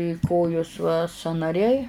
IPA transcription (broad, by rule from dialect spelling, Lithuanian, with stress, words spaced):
ɪ ˈkoːjoːs ʋɐ sɑːnɐˈrʲɛɪ